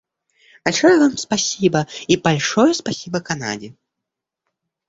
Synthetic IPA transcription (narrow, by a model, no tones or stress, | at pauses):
balʲʂɔjɐvamspasʲibɐibalʲʂɔjɐspasʲibɐkana̰d͡zʲi